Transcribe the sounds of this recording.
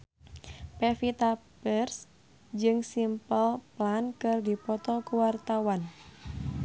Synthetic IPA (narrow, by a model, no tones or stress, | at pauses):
pɛfit̪abərs | d͡ʒɨŋsimpəlplankɨrdipɔt̪ɔkuwart̪awan